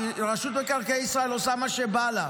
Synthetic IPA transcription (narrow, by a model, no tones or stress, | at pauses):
ʁaʃut̪bekaʁkeisʁaelosamaʃebala